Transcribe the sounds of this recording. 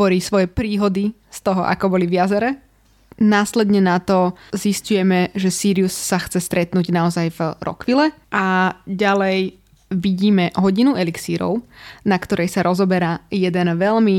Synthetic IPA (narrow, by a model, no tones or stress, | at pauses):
ɔɾiːsʋɔjɛpɾiːɦɔd̪i | st̪ɔɦɔʔa̰kɔbɔliʋjazɛɾɛ | naːslɛd̪ɲɛnat̪ɔziscujɛmɛʒɛsiːɾiusːaxt͡sɛst̪ɾɛt̪nuɟnaɔzajvɾɔ̰kʋilɛ | ʔaɟalɛj | ʋiɟiːmɛɦɔɟinuɛliksiːɾɔ̰ʊnakt̪ɔɾʔɛjsaɾɔzɔbɛɾaːjɛd̪ɛnʋɛʎmi